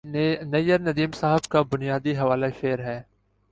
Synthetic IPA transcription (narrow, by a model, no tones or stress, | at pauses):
nɐjəɾnɐd̪iːmsaːɦɪbkabʊnijaːd̪iɦɐʋaːleʃeːɾɦɛː